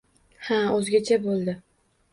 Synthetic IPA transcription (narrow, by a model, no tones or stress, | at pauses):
haɵzɡʲat͡ʃʰabolˠd̪ɪ